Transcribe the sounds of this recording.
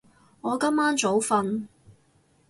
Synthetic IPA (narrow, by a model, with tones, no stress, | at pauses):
ŋɔː˨˧kɐ˥mːaː˥nt͡so˨˥wfɐ˧n